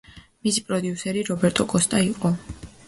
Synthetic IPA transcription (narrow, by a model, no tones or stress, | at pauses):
misipʼɾɔd̪iusɛɾiɾɔbɛɾt̪ʼɔkʼɔst̪ʼaiqʼɔ